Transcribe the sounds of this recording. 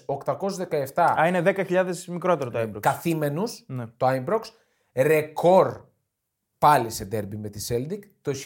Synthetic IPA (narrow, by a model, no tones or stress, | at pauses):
okt̪ɐko̞suzðe̞kɐeft̪ɐɐine̞ðe̞kɐçiʎɐðe̞smikɾo̞t̪e̞ɾot̪oaimbɾokkɐθime̞nusnet̪oajmbɾoks | ɾe̞ko̞ɾ | pɐlised̪eɾbime̞t̪iseld̪ikt̪o